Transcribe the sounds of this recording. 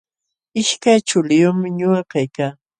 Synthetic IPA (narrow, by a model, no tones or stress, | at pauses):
ɪʃkajt͡ʃʊlɪjʊmɪɲʊakajkaː